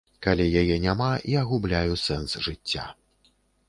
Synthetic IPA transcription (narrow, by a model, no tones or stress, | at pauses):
kalʲɛjajɛnʲamaʔiɐɣublʲajusɛnsʐɨt͡sʲːa̰